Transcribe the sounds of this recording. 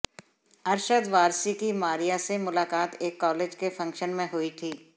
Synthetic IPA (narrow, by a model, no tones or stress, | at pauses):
ɐɾʃəd̪ʋaːɾsikimaːɾijasemʊlaːkaːt̪eːkːɔːleːd͡ʒkefɐ̃ŋkʃənmẽɦʊit̪ʰiː